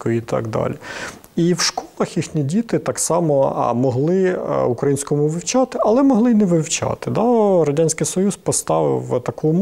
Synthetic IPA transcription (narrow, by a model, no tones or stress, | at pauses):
kɔit̪ɑ̰ɡd̪ɑ̰lʲi | iwʃkɔlˠɐxjixnʲidʲit̪ɪt̪ɑksɑmɔ̰mɔɦlˠɪukɾɐjinʲsʲkɔmʊʋɪwt͡ʃɑt̪ɪʔɐlˠɛmɔɦlˠɪnɛʋɪwt͡ʃɑ̰t̪ɪd̪ɑɾɔdʲanʲsʲkɪjsɔjuspɔst̪ɑʋɪ̰wt̪ɐkum